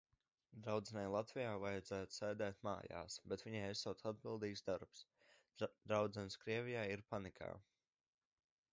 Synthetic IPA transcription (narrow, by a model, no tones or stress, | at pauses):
d̪ɾawd̪zɛnajlˠat̪vijaːvajɛd̪zæːt̪u̥sɛːd̪ɛːt̪ma̰ːja̰ːsbɛt̪viɲajɛsːawt̪ad̪̚bilˠd̪iːkzd̪aɾps | d̪ɾawd̪zɛnskɾiɛvʲijaːiɾpanikʰa̰ː